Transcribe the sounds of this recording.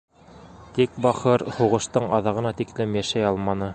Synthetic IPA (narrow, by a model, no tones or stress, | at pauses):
t̪ik̚bɑχɤɾhuʁɤ̆ʃt̪ɤɴɑðɑʁɤ̆nɑt̪iklɘmjæʃæjɑlˠmɑnɤ